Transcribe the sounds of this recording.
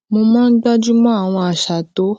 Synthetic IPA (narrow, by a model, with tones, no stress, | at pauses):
mo˧mãː˦n̩˦ɡ͡ba˦d͡ʒu˦mɔ̃˦a˦˨w̃ɔ̃˧a˨ʃa˨to˨˦